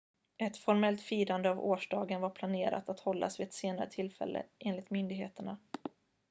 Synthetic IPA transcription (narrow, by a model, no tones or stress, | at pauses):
ɛt̪fɔɾmɛlt̪fiːɾand̪əavoːʂɖɑːɡənvaɾpʰlaneːɾa̰t̪at̪hɔlːʔa̰svɪɛt̪seːnaɾə̰t̪ʰɪlfɛ̰lːʔə̰ʔeːnlɪt̪mʏnd̪ɪɡɦḛːt̪əɳa